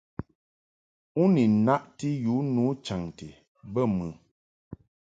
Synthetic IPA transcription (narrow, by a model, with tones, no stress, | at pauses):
u˦ni˨na˦ʔti˦ju˨˦nu˨˦t͡ʃa˨ŋti˨ | bə˦˨mɨ˨